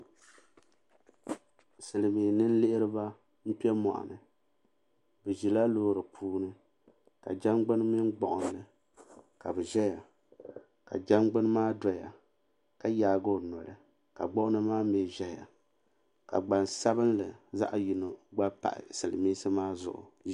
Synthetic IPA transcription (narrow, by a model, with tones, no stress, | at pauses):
sɨ˨lɨ˨miː˨nɨ˦n̩˦lɪ˦ʔɪ˦ɾɨ˦ba˦ | m̩˦pi˦ɛ˦mɔ̰˨ʔa̰˨nɨ˨ | bɨ˨ʒi˨la˦loː˦ɾɨ˨pʰuː˦nɨ˦ | ka̰˨d͡ʒa˦mɡ͡bɨ˦nmi˦nɡ͡bɔ˨ʔʊ˨n˦lɨ˨ | ka˨bɛ˨ʒɛ˦ja˨ | ka̰˨d͡ʒa˦mɡ͡bɨ˦nmaː˦dɔ˨ja˨ | ka˦jaː˨ɡo˦˨nɔ˨lɨ˨ | ka̰˨ɡ͡bɔ˦ʔʊ˦nɨ˦maː˦me˨ʒɛ˦ja̰˨ | ka̰˨ɡ͡ba˨nsa˦bɨ˦nlɨ˨za̰˦ʔji˨no˨ɡ͡ba˦pa̰˨ʔɪ̰˨sɨ˨lɨ̰˨miː˦sɨ˦maː˦zʊ̰˨ʔʊ̰˨